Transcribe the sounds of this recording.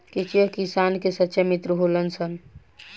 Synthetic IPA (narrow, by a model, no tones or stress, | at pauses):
ket͡ʃijəkisankesətːʃemit̪ɾəɦolənsən